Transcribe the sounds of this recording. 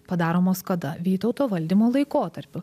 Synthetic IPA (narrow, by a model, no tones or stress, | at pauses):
pɐd̪ɑːɾoːmoːskɐd̪ɐʋʲiːt̪ɒʊt̪oːʋɐlʲd̪ʲimoːlˠɐɪkoːt̪ɐɾʲpʲʊ